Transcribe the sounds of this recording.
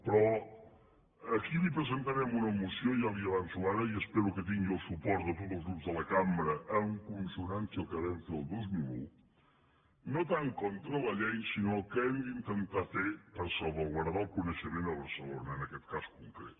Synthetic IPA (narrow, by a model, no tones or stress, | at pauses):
pɾɔ | əkilipɾəzənt̪əɾɛmunəmusijoijaliəβansuaɾəiəspeɾukət̪̬iŋɡiəlˠsupɔɾt̪ðət̪ot̪əlˠzɣɾupzðələkambɾəʔəuŋkunsunansəlˠkəβɛmfeðəlˠd̪ozmilṵ | not̪aŋkɔnt̪ɾələʎɛjsinokəɛmd̪int̪ənt̪afepəɾsoβəlˠɣwəɾðaəlˠkunəʃəmenəβəɾsəlonəːnəkɛt̪kaskuŋkɾḛt̪